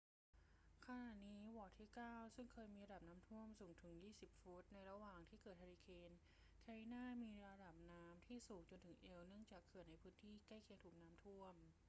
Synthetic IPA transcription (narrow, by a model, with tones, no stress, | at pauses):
kʰa˧na˨˩t̪̚niː˦˥wɔː˨˩t̪ʰːiː˥˩kaː˥˩wsɯ˥˩ŋkʰɤː˧jmiː˧ɾa˧da˨˩p̚naː˦˥mt̪ʰu˥˩əmsuː˩˦ŋt̪ʰɯ˩˦ŋjiː˥˩si˨˩p̚fu˦˥t̪̚na˧jɾa˧waː˨˩ŋt̪ʰiː˥˩kɤː˨˩t̪̚ha˧ɾi˧kʰeː˧n | kʰa˧ɾi˧naː˥˩miː˧ɾa˧da˨˩p̚naː˦˥mt̪ʰiː˥˩suː˨˩k̚t͡ɕo˧nt̪ʰɯ˩˦ŋʔe˧wnɯ˥˩əŋt͡ɕaː˨˩kʰːɯ˨˩əna˧jpʰɯː˦˥nt̪ʰiː˥˩kaː˥˩jkʰi˧əŋt̪ʰuː˨˩k̚naː˦˥mt̪ʰu˥˩əm